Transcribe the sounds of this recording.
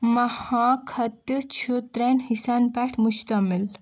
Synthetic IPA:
mɐhãkʰɐt̪t͡ʃʰut̪ɾenhisanpɛʈʰmust̪ɐmil

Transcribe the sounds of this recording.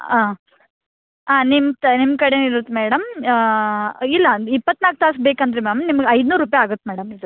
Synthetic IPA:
aː | aːnimnimːkɐɽeniɾut̪ːmɛːɽɐm | ilːɐipːɐt̪ːnaːk̚t̪aːsbeːkɐnd̪ɐɾemaːmnimɐɡɐjd̪nuːɾuːpɐjaːɡut̪ːmɛːɽɐmid̪u

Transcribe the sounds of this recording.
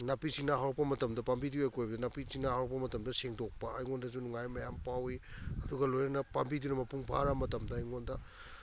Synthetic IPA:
napisiŋnɐɦawɾɐk̚pɐmɐtɐmdɐpambidiojkʰojbɐdɐnapisiŋnɐhawɾɐk̚pɐmɐtɐmdɐseŋdok̚pɐːjŋondɐzunuŋajmɐjampawiɐduɡɐlojnɐnɐpambidunɐmɐpuŋpʰa̰ɾɐmɐtɐmdɐːjŋondɐ

